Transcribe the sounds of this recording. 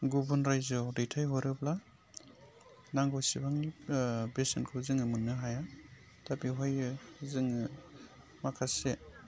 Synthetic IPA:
ɡubɔnɾajzɔdejtʰajɦɔɾɯbla | naŋɡɔsibaŋnibesenkʰɯzɯŋɯmunːɯɦaja | tapiɦɔjɯzɯŋɯ | makʰase

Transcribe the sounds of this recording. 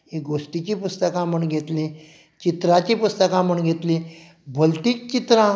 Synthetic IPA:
ɦeɡoʂʈit͡ɕipust̪əkãməɳɡʱet̪lẽ | t͡ɕit̪ɾat͡ɕepust̪əkãməɳɡʱet̪lĩ | bʱəlʈiːk̚t͡ɕit̪ɾã

